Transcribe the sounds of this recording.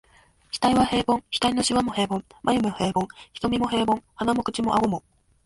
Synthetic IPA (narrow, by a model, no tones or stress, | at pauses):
çi̥t̪aiβahe̞ːbõ̞ŋçi̥t̪aino̞ɕiβamo̞he̞ːbõ̞ŋmʔajɯmɯhe̞ːbõ̞ŋçi̥t̪o̞mʲimo̞ɦe̞ːbõ̞ŋhanamo̞kɯ̟t͡ɕimo̞ʔaɡo̞mo̞